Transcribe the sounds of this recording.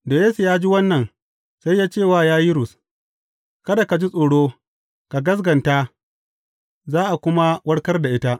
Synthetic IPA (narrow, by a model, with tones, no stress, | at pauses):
doː˨jeː˦su˨jaː˦d͡ʒi˦wɐ˦nːɐ˨n | sa˦jːaː˦t͡ʃeː˦˨waː˦˨jaː˦ji˦ɾʊ˨s | kɐ˦da˨ka˨d͡ʒi˦sʼoː˨ɽoː˦ | ka˨ɡɐ˦s̬ɡɐ˨nta˦ | zaː˦ʔa˨kʷʊ˦ma˦wɐ˦ɽkɐ˦rda˨ʔɪ˦ta˦ʔ